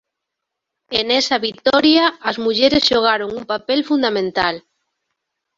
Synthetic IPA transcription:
enɛsaβit̪ɔɾjaːzmuʎeɾezʒoɣ̞aɾoŋumpapelfund̪amẽnt̪al

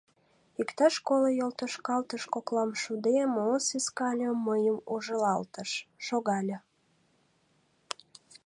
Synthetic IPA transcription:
ikt̪ɑʃkoləjolt̪əʃkɑlt̪əʃkoklɑmʃud̪emosiskɑlʲəməjəmuʒəlɑlt̪əʃːoɣɑlʲə

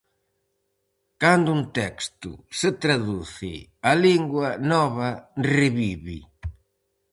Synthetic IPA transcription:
kand̪uunt̪ɛkst̪ʊ̰sɪt̪ɾaðuθɪ̰aliŋɡwɐnɔβɐrɪβiβḭ

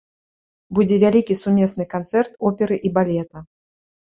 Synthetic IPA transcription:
bud͡zʲɛvʲalʲikʲisumʲɛsnɨkant̪sɛrt̪ɔpʲɛɾɨʔibalʲɛt̪ɐ

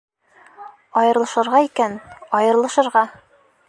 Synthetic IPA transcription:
ɒjɤ̆ɾlˠɤ̆ʃɤ̆ɾʁɑikænɒjɤ̆ɾlˠɤ̆ʃɤ̆ɾʁɑ

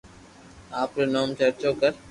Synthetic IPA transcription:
aːpɾeːnoːmt͡ʃəɾt͡ʃoːkəɾ

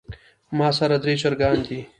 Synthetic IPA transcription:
maːsɐɾad̪ɾeːt͡ʃɐɾɡaːnd̪iː

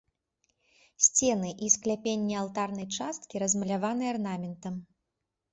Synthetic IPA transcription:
sʲt͡sʲɛnɨʔisklʲapʲenʲːialˠt̪arnɐjt͡ʂast̪kʲiɾɐzmɐlʲavanɨarnamʲɛnt̪ɐm

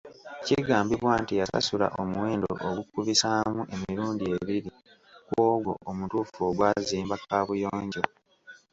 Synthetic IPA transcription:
ciɡaːmbiβwaːntijasa̰sula̰ʔomuwe̞ːndooʔoɡukːuβisaːmuʔe̞miɾuːndie̞βiɾi | kwoːɡo̞̰ʔomutuːfoːɡwaːziːmbakaːβujoːɲɟo

